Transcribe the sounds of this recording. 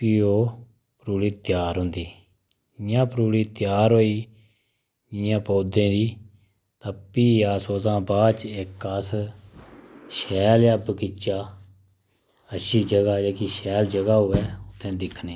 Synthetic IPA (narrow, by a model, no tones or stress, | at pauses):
piːoː | pɾuːɽiːt̪jaːɾɦʊ̃nd̪iː | ɪjãːpɾuːliːt̪ɪjaːɾɦoːiː | ɪjãːpoːd̪ẽːd̪iː | t̪əpːiːaːsoːzãːbaːt͡ʃɪkəs | ʃɛːljabəkɪt͡ʃaː | əʃiːd͡ʒəɡaːd͡ʒeːkiːʃɛːld͡ʒəɡaːɦʊʋɛːʊt̪ʰːɛ̃ːd̪ɪkʰneː